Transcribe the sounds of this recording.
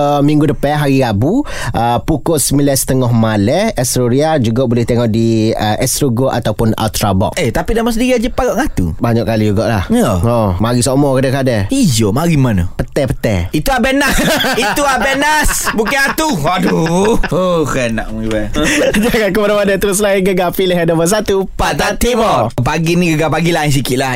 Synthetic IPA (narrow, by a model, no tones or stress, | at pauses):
miŋɡudəpɛɦaɾiɾabu | ʔəpukʊsmilɛsə̥t̪əŋɔɦmalɛɛst̪ɾoɾiad͡ʒuɡaʔbulɪht̪eŋɔʔdiəʔɛst̪ɾuɡoʔa̰t̪awpʊna̰lt̪ɾabɔ̰ʔet̪apidamas̬ədiɾiad͡ʒəpaɡɔʔŋat̪ṵbaɲaʔkalid͡ʒuɡaʔlahaomaɾisomɔkadakadɛid͡ʒomaɾimanəpət̪ɛpət̪ɛ̰it̪uabenasit̪uabenasbukaat̪uaduokənaʔmuibɛd͡ʒaŋankəmadamanət̪əɾʊs̬laɪnɡəɡapiləɦadaməs̬at̪upat̪at̪imɔpaɡinĩɡəɡapaɡilaiŋs̬ikɪʔla